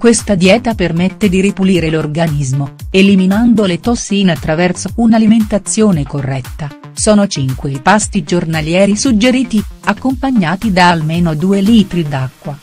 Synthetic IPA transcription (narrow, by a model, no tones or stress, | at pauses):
kwest̪ad̪jɛːt̪apermet̪ːed̪iɾipuliːɾelorɡanizmoeliminand̪olet̪ɔsːiinat̪ːɾavɛrt̪sounaliment̪at̪sːjoːnekorːɛt̪ːa | sɔːnot͡ʃiŋkweipast̪id͡ʒornaljɛːɾisud͡ʒːeɾiːt̪iakːompaɲːaːt̪id̪aːlmeːnod̪uːeliːt̪ɾid̪akːwa